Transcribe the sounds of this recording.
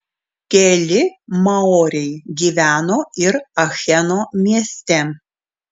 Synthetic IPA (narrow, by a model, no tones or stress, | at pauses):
kʲɛlʲɪmɐoːɾʲɛɪɡʲiːʋʲæːnoːɪɾɐxʲɛnoːmʲiɛsʲt̪ʲɛ